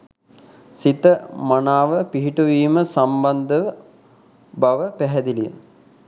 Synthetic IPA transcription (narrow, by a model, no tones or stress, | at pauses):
sit̪əmanaːʋəpiɦiʈuʋiːməsamband̪əʋə | baʋəpæɦɛd̪ilijə̰